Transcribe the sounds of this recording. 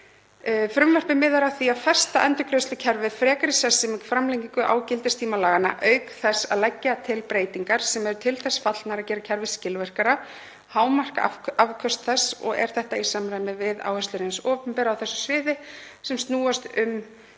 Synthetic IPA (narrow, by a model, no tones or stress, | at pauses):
fɾʏmvœr̥pɪmɪːðaɾawθiafɛr̥st̪aʔɛnt̪ʏɾkɾœst̪ʏcʰɛɾvɪðfɾɛːkaɾɪsɛsːɛmɪkfɾamleŋciŋkʏʔa̰ːwcɪlt̪ɪst̪ʰiːmalaːɣana̰ʔœːɥkθɛsːa̰ðlɛcːat̪ʰɪlpɾeːjt̪iŋkaɾ̥sɛmɛɾʏt̪ʰɪlθɛsfat̪lnaɾaðcɛːɾacʰɛɾvɪscɪlvɛr̥kaɾa | haːwmar̥kaavkʰœst̪θɛsːɔ̰ɣɛ̰ɾ̥θɛht̪aisamɾajmɪvɪða̰ːwhɛst̪ʏɾɪnsɔːpʏmpɛɾawθɛsːʏ̥svɪːðɪsɛmst̪nuːast̪ʏm